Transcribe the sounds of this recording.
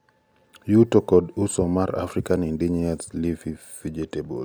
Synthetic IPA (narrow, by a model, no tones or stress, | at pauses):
jutokɔdusɔmaɾa̰fɾikanindiɲiaslifiv̥id͡ʒitebo̰l